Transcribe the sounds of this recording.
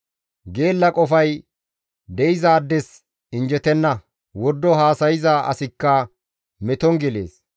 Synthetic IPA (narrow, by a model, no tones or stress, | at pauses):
ɡeːlːɐkʼɔfɐj | d̪ɛɪzaːd̪ːɛs | ɪnd͡ʒɛt̪ɛnːɐ | wɔd̪ːɔɦaːsɐjɪzaʔɐ̰sɪkːɐ | mɛt̪ɔŋɡɪlḛːs